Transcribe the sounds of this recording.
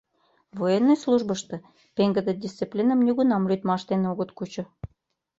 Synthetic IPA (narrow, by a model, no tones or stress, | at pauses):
vojenːojslˠuʒbə̆ʃt̪ɤ̆ | peŋɡə̆d̪ĕdʲist͡siplʲinə̆mnʲeɣunɑmlʲyt̪mɑʃt̪enoɣə̆t̪kut͡ɕɤ̆